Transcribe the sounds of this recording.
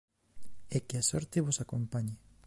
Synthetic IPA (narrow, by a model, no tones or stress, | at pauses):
ekɪasɔɾt̪eβosakompaɲe